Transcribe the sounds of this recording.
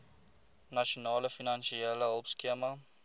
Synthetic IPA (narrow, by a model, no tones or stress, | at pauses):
nɐʃonɑːləfinɐnʃieləɦəlˠpskiəmɐ